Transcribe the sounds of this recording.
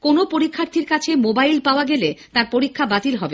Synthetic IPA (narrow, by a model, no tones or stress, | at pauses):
konopoɾikʰːaɾt̪ʰiɾkat͡ɕʰemobajlpaoaɡelet̪aɾpoɾikʰːabat̪ilɦɔbe